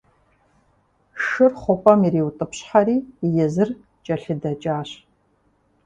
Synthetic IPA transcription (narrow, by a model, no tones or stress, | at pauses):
ʂɨrχʷɔpʼɐmiɾiːwutʼɨpɕħaɾiːjɛzɨr | t͡ʃʼɐɬɨdɐt͡ʃʼaːɕ